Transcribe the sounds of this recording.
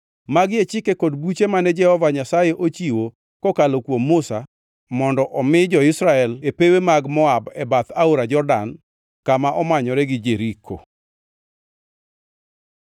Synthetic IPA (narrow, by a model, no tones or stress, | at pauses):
maɡɪet͡ʃɪkekɔdbut͡ʃemanɛd͡ʒɛhɔvaɲasajeʔot͡ʃiwo | kɔkalokwomːʊsa | mɔndɔʔɔmɪd͡ʒɔɪsɾaɛlepewemaɡmɔabɛbat̪aoɾad͡ʒɔrda̰n | kamaʔɔmaɲɔɾɛɡɪd͡ʒeɾikʰo̰